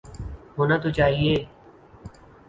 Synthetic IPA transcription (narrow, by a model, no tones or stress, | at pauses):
ɦoːnaːt̪uːt͡ʃaːɦieː